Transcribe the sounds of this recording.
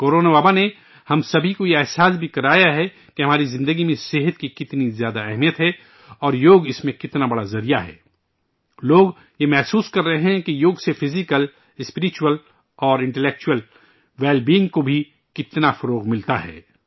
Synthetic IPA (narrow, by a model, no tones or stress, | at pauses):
koːɾoːnabaːbane | hɐmsɐbʱikojeɛɦsaːs̬bʱikɐɾaːjaɦɛ | keɦɐmaːɾizɪ̃nd̪əɡimẽseɦət̪̚kikɪt̪nizjaːd̪aɛɦmijət̪ɦɛ | ɔːɾjoːɡɪsmẽkɪt̪nabɐɽazɐɾijaɦɛ̰ː | loːɡ | jemɛɦsuːskɐɾːɐɦeɦɛ̃kijoːɡsefɪzɪkəl | ɪspɪɾɪt͡ʃuwəl | ɔːɾɪ̃ɳʈɛleːk̚t͡ʃuəl | ʋɛːlbiɪ̃ŋɡkobʱi | kɪt̪nafɐɾoːɣmɪlt̪aɦɛ̰ː